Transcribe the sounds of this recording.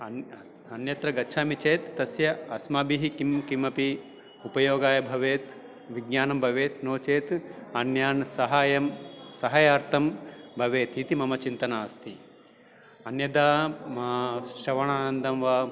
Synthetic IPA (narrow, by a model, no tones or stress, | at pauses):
ɐ | ɐnjɐt̪ɾɐɡɐtːt͡ʃʰaːmit͡ʃeːt̪ːɐsjɐɐsmaːbiɦikimkimɐpi | upɐjoːɡaːjɐbʱɐʋeːt̪ | ʋiɡjaːnɐmbʱɐʋeːt̪noːt͡ʃeːt̪ɐnjaːnsɐɦaːjɐmsɐɦɐjaːɾt̪ʰɐmbʱɐʋeːt̪it̪imɐmɐt͡ʃint̪ɐnaːst̪ʰi | ɐnjɐd̪aːmɐʃɐʋɐɳaːnɐnd̪ɐmʋaː